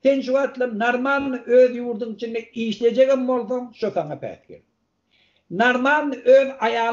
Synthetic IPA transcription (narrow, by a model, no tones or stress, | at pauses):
θe̞nʃuɣɑt̪lˠɑnɑɾmɑlˠːɯʔøːðjuːɾd̪uŋit͡ʃʰind̪eiːʃle̞d͡ʒeɣimbo̞lˠθoŋʃoθɑŋɑpʰæ̰ːθkḛɾ | naɾmɑlˠːɯʔøːðɑjɑː